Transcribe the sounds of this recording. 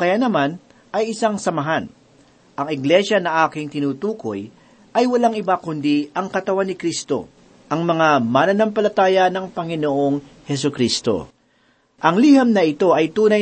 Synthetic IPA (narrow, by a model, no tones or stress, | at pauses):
kɐjanɐman | ʔɐjɪsaŋsɐmɐɦan | ʔɐŋɪɡlɛʃɐnɐʔaːkɪŋt̪ɪnuːt̪uːko̞̰j | ʔɐjwɐlaŋɪbakʊnd̪iʔɐŋkɐt̪ɐwanːɪkɾist̪o̞̰ | ʔɐŋmɐŋamanɐnɐmpɐlɐt̪aːjɐnɐŋpɐŋɪnoʔo̞ŋhɛs̬ʊkɾist̪o̞̰ | ʔɐŋliːhɐmnɐɪt̪o̞ʔɐjt̪uːnɐj